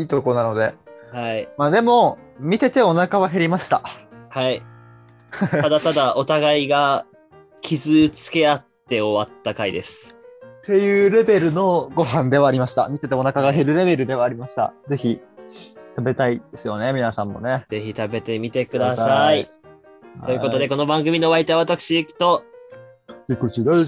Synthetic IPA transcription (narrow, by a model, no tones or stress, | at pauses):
iːt̪okoonano̞d̪e̞haimaːd̪e̞mo̞ | mʲit̪e̞t̪eo̞nakaβ̞aɦe̞ɾʲimaɕi̥t̪ahai | ad̪at̪ad̪ao̞t̪aɡaiɡa | kʲʰizɨt͡sɨ̥ke̞at̪ːe̞o̞βat̪ːakaid̪e̞sɨ̥t̪e̞jɯ̟ːɾe̞be̞ɾɯ̟no̞ɡo̞ɦãnd̪e̞βaːɾʲimaɕi̥t̪a̰mʲit̪e̞t̪eonakaɡaɦe̞ɾɯ̟ɾe̞be̞ɾɯ̟d̪e̞βaːɾʲimaɕi̥t̪a̰ze̞çi | t̪abe̞t̪aid̪esɨjo̞ne̞mʲinasãmːo̞̰ne̞ze̞çit̪abe̞t̪e̞mʲit̪e̞kɯ̟d̪asai | t̪o̞jɯ̟ko̞tod̪e̞ko̞no̞bãŋɡɯ̟mʲino̞βait̪oaβat̪akɯ̟ɕiekʲi̥t̪o̞ | ikɯ̟t͡ɕid̪e